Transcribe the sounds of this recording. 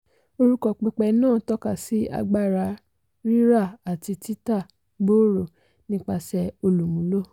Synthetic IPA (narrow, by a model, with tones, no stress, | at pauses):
o˧ɾu˦kɔ˨k͡pɛ˧k͡pɛ˧˨˦nãː˦˨tɔ˦ka˨si˨˦a̰˧ɡ͡ba˦˨ɾa˧ | ɾi˦ɾa˦˨a˨ti˧ti˦ta˦˨ | bo˦ɾo˨ | nĩ˦k͡pa˧˨sɛ˨o˧lu˨mũ˨˦lo˦